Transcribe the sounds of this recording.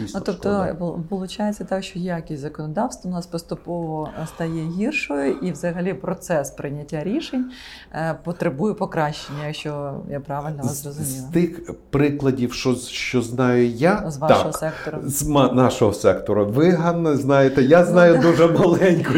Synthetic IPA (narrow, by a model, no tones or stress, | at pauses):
isnut̪ɔpt̪ɔpɔlˠʊt͡ʃajet͡sʲːɐt̪ɑkʃt͡ʃɔjɛɐkʲisʲzɐkɔnɔd̪ɑwst̪ʋɔʊnɑspɔst̪ʊpɔʋɔst̪ɐjɛɦʲirʃɔjʊʔiʋzɐɦɐlʲipɾɔt̪sɛspɾɪnʲɐtʲːaɾʲiʃenʲ | pɔt̪ɾɪbujʊpɔkɾɑʃt͡ʃenʲːɐjɐkʃt͡ʃɔjapɾɑʋɪlʲnɔʋzɐzrɔzʊmʲilˠɐt̪ɪxpɾɪklˠɐdʲiwʃɔʃt͡ʃɔznɑjʊjazʋɑʃɔɦɔsɛk̚t̪ɔɾʊzmanɑʃɔɦɔsɛkt̪ɔɾʊʋɪɦanːɔznɑjet̪ɛjaznɑjʊd̪uʒɛmɐlˠɛnʲkɔ